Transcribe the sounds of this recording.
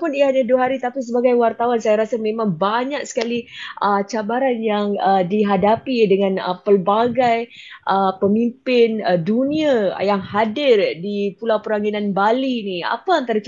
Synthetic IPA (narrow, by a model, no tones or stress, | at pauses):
pʊniaɦaɲaduaɦaɾit̪apis̬əbaɡajwart̪awansajaɾasamẽmãŋbaɲak̚sə̥kaliʔət͡ʃabaɾanjaŋədiɦadapidəŋãnə̰pəlbaɡajʔəpəmimpɪnduniajaŋhadɪrdipulawpəɾaŋinanbalinia̰paːnt̪aɾa